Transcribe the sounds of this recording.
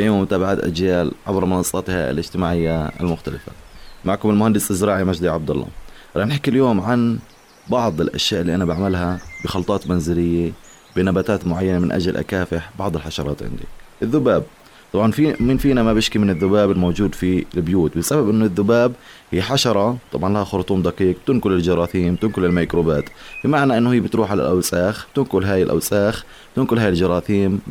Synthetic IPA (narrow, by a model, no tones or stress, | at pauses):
ajoːmːʊt̪aːbaʕaːt̪ʔa̰d͡ʒjaːlʕabɾmɪnɑsˤːɑt̪ha̰ɪ̰lɪd͡ʒt̪ɪmaːʕɪjːaɪ̰lmʊxt̪alɪfa̰maʕkʊmɪlmʊhand̪ɪsʔɪzɾɑːʕimad͡ʒd̪iʕɑb̚d̪ɑ̰lˤːɑ̰ | ɾˤɑːnħakːɪljoːmʕan | bɑʕd̪ˤɪlʔa̰ʃjaːʔɪlːiʔanabaʕmalɦabɪxɑlt̪ˤɑːt̪manzɪlɪjːa | b̥ɪnabaːt̪aːt̪mʊʕajːanamɪnʔa̰d͡ʒalʔa̰kaːfɪħbɑʕd̪ˤɪlħaʃɑɾˤɑ̰ːt̪ʕɪ̰nd̪ḭʔɪðːʊbaːb̚ | t̪ˤɑbʕɑnfimɪnfiːnamabɪʃkimɪnɪðːʊbaːbɪlmowd͡ʒuːd̪filbjuːt̪bɪsababʔɪnːʊðːʊbaːbhɪːħaʃɑɾˤɑt̪ˤɑbʕɑnlahaxʊɾt̪ˤuːmd̪ɑqiːq̚b̚t̪ɪnkʊlɪld͡ʒɑɾˤɑːθiːmt̪ɪnkʊlɪlmajkɾubaːt̪bɪmaʕnaʔɪnːʊhɪjːbɪt̪ɾuːħʕala̰lʔawsaːx̚t̪ɪnkʊlɦaːjɪlʔa̰wsaːx | t̪ɪnkʊlɦaːjɪld͡ʒɑɾˤɑːθiːm